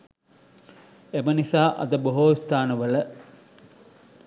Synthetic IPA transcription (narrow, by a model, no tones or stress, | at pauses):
emɐnisaːʔɐ̰d̪ɐboɦoːst̪aːnɐʋəlɐ